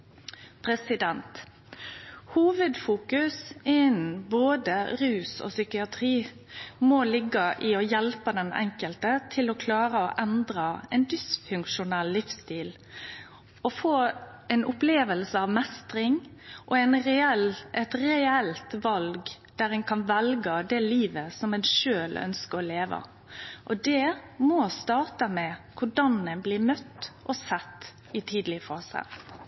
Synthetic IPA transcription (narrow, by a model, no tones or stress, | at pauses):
pʰɾɛsɪd̪ɛnt̪ | huːʋəd̪fuːkʉsɪn̩boːd̪əɾʉːsɔ̰sʏkɪɑt̪ʰʁiː | mɔlɪɡːɑʔɪɔjɛlpəd̪ɛnɛ̰ŋkəlt̪ət̪ʰɪlɔkʰlɑːɾəɔʔɛnd̪ɾɑɛnd̪ɪsfʉŋkʃʊnɛlːɪfst̪iːl | ɔfoːɛɪnʔʊpleːʋəlsəɑʋmɛst̪ɾɪŋʔɔɛnɛlɛt̪ɾɛɛlt̪ʋɑlɡ | d̪̥æɾɛnkʰɑnʋɛlɡəd̪ɛliːʋəsɔmɛnʃøːlœ̰nskəɾɔleːʋə̰ | ʔɔd̪ɛmɔst̪ɑːɾt̪əmɛkʰʊɖɑnɛnblɪːmœt̪ːʔɔsɛt̪ː | ɪt̪ʰiːd̪əlɪəfɔsɛ̰